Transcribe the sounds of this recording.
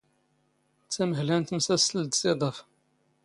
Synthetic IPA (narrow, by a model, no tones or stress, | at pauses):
t͡sːæməɦlænt̪msæsəld̪sed̪ˤəf